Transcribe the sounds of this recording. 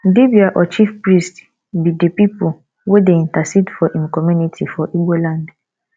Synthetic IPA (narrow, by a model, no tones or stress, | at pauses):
dibiaʔɔt͡ʃifpɹist | bidepipu | wedeĩntasidfɔʔĩmkɔmjunitʰifɔʔibolãnd